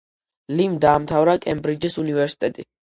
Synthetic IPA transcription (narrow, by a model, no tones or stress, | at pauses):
limd̪aːmt̪ʰavɾakʼɛmbɾid͡ʒisunivɛɾsi̥t̪ʼɛt̪ʼi